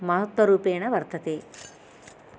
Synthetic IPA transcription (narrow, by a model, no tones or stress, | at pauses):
mɐɦɐt̪wɐɾuːpeːɳɐʋɐɾt̪ʰɐt̪eː